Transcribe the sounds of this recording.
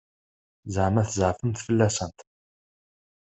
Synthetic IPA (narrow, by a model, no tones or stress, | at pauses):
zəʕmæθəzʕfəmθfəlːæsənt̪